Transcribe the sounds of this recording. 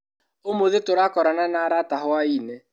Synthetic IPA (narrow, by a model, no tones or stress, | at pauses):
omoðetʊɾakɔɾananaɾataɦʊainɛ